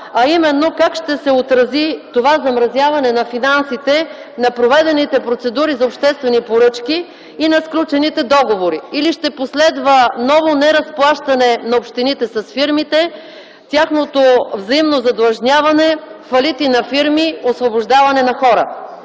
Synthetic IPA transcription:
ɐimɛnːokakʃt̪ɛsɛot̪ɾɐzit̪ovazɐmɾɐzʲjavɐnɛnɐfinansit̪ɛ | nɐpɾovɛd̪ɛnit̪ɛpɾot̪sɛd̪uɾizɐopʃt̪ɛst̪vɛnipoɾɤt͡ʃkiː | nɐsklʲut͡ʃɛnit̪ɛd̪ɔɡovoɾiiliʃt̪ɛposlɛd̪vənɔvonɛɾɐsplˠaʃt̪ɐnɛnɐopʃt̪init̪ɛsɐsfiɾmit̪ɛ | t̪ʲaxnot̪ovzɐimnozɐd̪lˠɐʒnʲavɐnɛfɐlit̪inɐfiɾmiosvoboʒd̪avɐnɛnɐxɔɾə̰

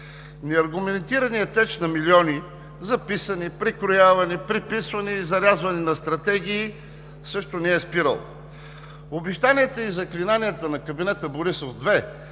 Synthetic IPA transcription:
nɛɐɾɡʊmɛnt̪iɾɐnijət̪ɛt͡ʃnɐmiliɔni | zɐpisənipɾikɾojavɐnipɾipisvɐniːzɐɾʲazvɐninɐst̪ɾɐt̪ɛɡ̟ʲiː | sɤʃt̪ʊnɛɛspiɾə̰lˠ | obiʃt̪aniɛt̪əizɐklinaniɛt̪ənɐkɐbinɛt̪əboɾisofd̪vɛ

